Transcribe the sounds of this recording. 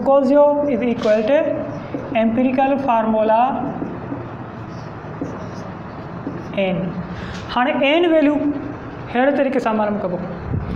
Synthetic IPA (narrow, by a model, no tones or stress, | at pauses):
koːlzjoːɪzikwɐlʈi | ẽːmpiɾikəlfaːɾmola | ẽːn | haːɽ̃eʔeːnʋeːlijũ | heːɽt̪ɐɾiːkesãːmaːɾəmkɐbo